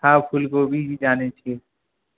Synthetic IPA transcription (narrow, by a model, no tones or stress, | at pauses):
aːbpʰʊlkobʱid͡ʒid͡ʒaːnet͡ʃʰie